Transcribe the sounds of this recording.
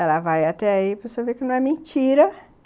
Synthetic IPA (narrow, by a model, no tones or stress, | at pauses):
ɛlɐvajat̪ɛaipɾesoɐvekɪnɐ̃w̃ɛmẽt͡ʃiɾɐ